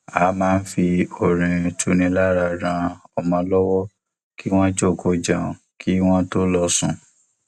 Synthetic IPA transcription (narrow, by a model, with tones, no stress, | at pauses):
a˨˦mãː˦˧n̩˦fi˧o˨ɾ̃ĩ˨tʰu˨˦nĩ˧la˦ɾa˧ɾã˧ɔ˨mɔ̃˧lɔ˦wɔ˦ | ki˦w̃ɔ̃˦d͡ʒo˦˨kʰo˨˦d͡ʒã˨ | kʰi˦w̃ɔ̃˦to˦lɔ˧sũ˧˨